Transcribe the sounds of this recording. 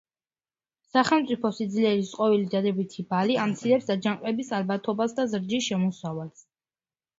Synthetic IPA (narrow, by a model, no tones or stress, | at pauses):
saχɛlˠmt̪sʼipʰɔsid̪zliɛɾisqʼɔvilid̪ad̪ɛbit̪ʰibaliamt̪sʰiɾɛpsd̪ad͡ʒaŋqʼɛbisalbat̪ʰɔbasd̪azɾd͡ʒisʃɛmɔsavals